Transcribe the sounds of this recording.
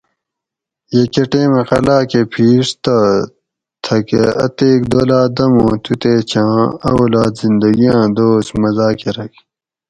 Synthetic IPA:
jekeʈeːmexɐlaːkepʰiːʂt̪ɐ | t̪ʰɐkeɐ̰t̪eːkd̪oːlaːd̪ɐmõːt̪ʰut̪eːt͡ɕʰãːɐ̰olaːd̪zind̪ɐɡijãːd̪oːsmɐzaːkeɾɐk

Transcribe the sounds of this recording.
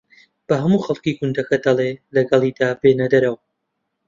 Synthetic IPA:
b̥ɐɦɐmuːxɐlˠkiːɡʊnd̪ɐkɐd̪ɐlˠelɐɡɐlˠiːd̪aːbeːnɐd̪ɐɾɐw

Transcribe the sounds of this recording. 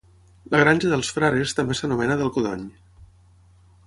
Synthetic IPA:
ləɣ̞ɾanʲʒəðəlˠsfɾaɾest̪əmbesənumɛnəðəlˠkuðɔ̰ɲ

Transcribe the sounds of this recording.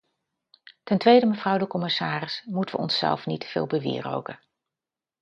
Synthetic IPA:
tɛntʋejdəməvrɑwdəkɔmɪsaːrɪsmutəʋə̰ɔ̰nsːɛ̰lˠfnitfɪ̰ːlˠbəʋɪ̰ːro̰wkə

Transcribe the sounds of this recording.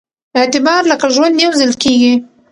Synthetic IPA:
ɪt̪ɪbɑɾləkaʒwand̪jawzɪlkeɡi

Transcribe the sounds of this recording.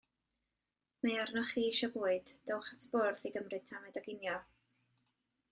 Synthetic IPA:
mearnɔχiːʃɔbuːɨd̥d̥owχatʰb̥ʊrθiɡəmrɨtʰamɛdaɡɪnjɔ

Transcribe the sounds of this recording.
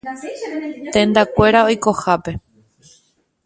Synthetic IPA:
t̪ẽ̞nd̪akʷe̞ɾao̞jko̞hape̞

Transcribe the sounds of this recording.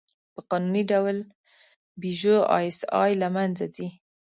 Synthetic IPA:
pəqɑnuniɖawl | biʒoɑ̰jsɑ̰jlamanzad̪i

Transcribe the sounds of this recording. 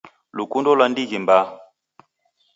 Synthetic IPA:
lukundɔlwandiɣimba

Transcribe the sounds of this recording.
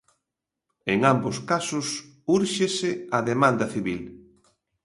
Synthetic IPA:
eŋambʊskasʊs | uɾʃesɪɐðemãnd̪ɐθiβil

